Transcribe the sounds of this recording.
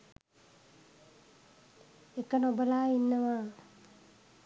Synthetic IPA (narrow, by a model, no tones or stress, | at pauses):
ekənobəlaːinːəʋaː